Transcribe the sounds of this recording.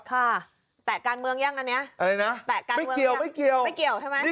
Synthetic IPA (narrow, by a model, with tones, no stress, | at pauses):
k̪ʰaː˧˥˩ | t̪ɛː˨˩kaː˧nmɯ˧əŋja˥˩ŋʔa˧ni˦˥ɐa˧ɾa˧jna˦˥ʔt̪ɛː˨˩kaː˧ma˥˩mɯ˧ki˧˨˩ə˧wma˥˩jki˨˩əwma˥˩jki˨˩əwt̪ʰa˥˩ma˧˥˩